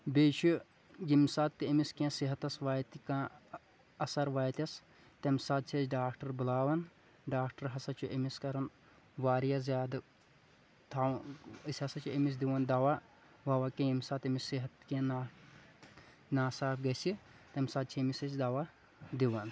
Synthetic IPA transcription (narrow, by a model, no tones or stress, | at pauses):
beːt͡ʃʰu | ɡimsaːt̪ːiɐmiskẽːsiɦɐt̪ɐsʋaːjt̪ikãː | ɐsɐɾʋaːjt̪ʲɐs | t̪ɐmʲsaːd̪̚t͡ʃʰit͡ʃɖaːkʈɐɾbulaːwɐn | ɖaːkʈɐɾɦɐsɐt͡ʃʰuʔɐmiskɐɾɐn | ʋaːɾijazʲaːd̪ | t̪ʰaisʲɐsɐt͡ʃʰuemis̬d̪iʋɐnd̪aʋa | ʋɐʋakẽimʲsaːt̪ɐmisiɦɐt̪kẽːna | naːsaːbɡɐsi | t̪ɐmʲsaːd̪̚t͡ʃʰimisɐt͡ʃd̪aːʋa | d̪iʋɐn